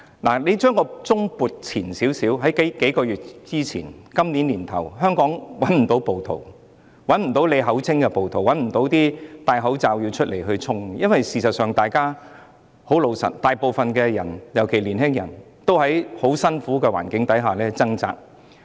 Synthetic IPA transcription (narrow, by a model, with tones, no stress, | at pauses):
laː˨˩le˨˧jt͡ʃœː˥ŋkɔː˧t͡sʊ˥ŋpuː˨t̚t͡sʰiː˨˩nsi˨˥wsiː˨˥wɦɐ˨˥jke˨˥ke˨˥jkɔː˧jyː˨t̚t͡siː˥t͡sʰḭː˨˩nkɐ˥mniː˨˥nliː˨˩nt̪ʰɐ̰˨˩wɦœː˥ŋkɔː˨˥ŋwɐ˨˥nm̩˨˩t̪o˨˥wpo˨wt̪ʰo̰˨˩w | wɐ˨˥nm̩˨˩t̪o˨˥wle˨˧jɦɐ˨˥wt͡sʰɪ˥ŋkɛ˧po˨wt̪ʰwɐ˨˥nm̩˨˩t̪o˨˥wt̪iː˥t̪aː˨˧jɦɐ˨˥wt͡saː˧wji˧wt͡ʃʰɵ˥t̚le˨˩jɦɵ˧ɥt͡sʰʊ˥ŋjɐ˥nwɐ˨jsiː˨sɐ˨t̚sœː˨ŋt̪aː˨jkaː˥ | ho˨˥wlo˧wsɐ̰˨˩t̚t̪aː˨jpo˨˧wfɐ˨nkɛː˧jɐ̰˨˩njɐ˨˩wkʰe˨˩jliː˨˩nɦɪ˥ŋjɐ̰˨˩n | t̪o˥whɐ˨˥jho˨˥wsɐ˥nfuː˨˥kɛː˧wa̰ː˨˩nkɪ˨˥ŋt̪ɐ˨˥jɦaː˨lɛː˥t͡sɐ˥ŋt͡sa̰ː˨k̚